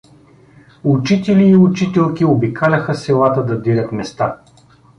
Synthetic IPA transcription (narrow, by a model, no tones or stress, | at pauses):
ʊt͡ʃit̪ɛliːʊt͡ʃit̪ɛlˠkʲiobikalʲɐxəsɛlˠat̪əd̪ɐd̪iɾʲət̪mɛst̪a